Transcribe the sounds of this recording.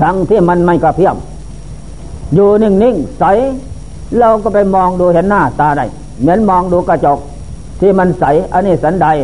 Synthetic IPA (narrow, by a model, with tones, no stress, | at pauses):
t̪ʰa˧˦ŋt̪ʰiː˧˩˨ma˧nma˧˩jka˧˩pʰi˧˥˩əm | juː˧˩ni˧˩˨ŋni˧˥˩ŋsa˨˦j | la˧wkɔː˧˩pa˧jmɔː˧ŋduː˧he˧˥nːaː˧˩t̪aː˧da˧˩j | mi˧˦ə˨nmɔː˧ŋduː˧˦kaː˧˩t͡ɕo˨˧k̚ | t̪ʰiː˧˩ma˧nsa˨˦jʔa˧˨niː˧˩sa˨˦˥nda˧j